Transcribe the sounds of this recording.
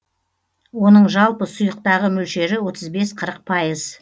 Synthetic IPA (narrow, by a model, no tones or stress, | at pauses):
wo̞nəɴʒɑlˠpəsʊjəq̚t̪ɑʁəmʏlʃe̞ɾɪwo̞t̪ʰəzbe̞sqʰəɾəq̚pʰɑjəz̥